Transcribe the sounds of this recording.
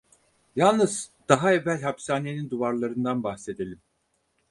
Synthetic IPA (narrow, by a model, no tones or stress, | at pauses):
jalˠnɯz̥d̪̥aɦaevːælʲɦapsaːnenind̪uvaɾlˠaɾɯnd̪anbaxse̞d̪elʲim